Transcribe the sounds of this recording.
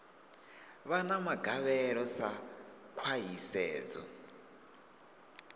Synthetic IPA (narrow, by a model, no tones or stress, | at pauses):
βanamaɡʱaβɛɺɔsa | kʰwajisɛːd͡zɔ̰